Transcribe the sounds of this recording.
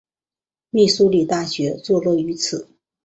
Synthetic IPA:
mi˥˩su˥li˨˩t̪a˥˩ɕɥɛ˧˥t͡swɔ˥˧lwɔ˥˩y˧˥t͡sʰɹ̩˨˩˦

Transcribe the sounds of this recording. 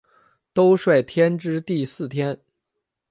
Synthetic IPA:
t̪o˥ʊʂwe˥˨˩ɪt̪ʰjɛ˥nʈ͡ʂɻ̩˥t̪i˥˧sɹ̩˥˩t̪ʰjɛ˥n

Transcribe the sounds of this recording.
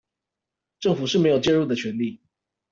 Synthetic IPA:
ʈ͡ʂɤ˥˩ŋfu˨˩ʂɻ̩˥˩me˧˥ɪjo˨˩t͡ɕjɛ˥˧ɻu˥˩d̪ə˩t͡ɕʰɥɛ˨˦nli˥˨

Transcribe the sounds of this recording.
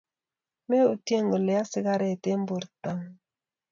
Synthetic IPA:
me˦u˨te˦ŋɡo˨lɛ˨a˦si˦ɡa˦ɾɛ˨te˦m˦bo˨ɾta˨ŋ

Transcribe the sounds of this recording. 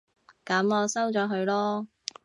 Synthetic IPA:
kɐ˨˥mɔː˨˧sɐ˥wt͡sɔː˨˥ɦɵ˨˧ɥlɔː˥

